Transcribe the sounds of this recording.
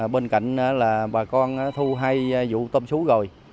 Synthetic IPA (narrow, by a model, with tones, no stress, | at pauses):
ɓe˧nka̰˧˨jŋ̟ʔaː˨˦laː˨˩ɓaː˨˩kɔ˧nʔaː˨˧˦t̪ʰu˧ɦa˧jzṵ˧˥t̪ə˧msu˨˦ɣo˨˩j